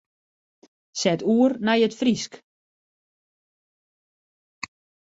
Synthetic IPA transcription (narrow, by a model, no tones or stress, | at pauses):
sɛtuːərnajətfrisk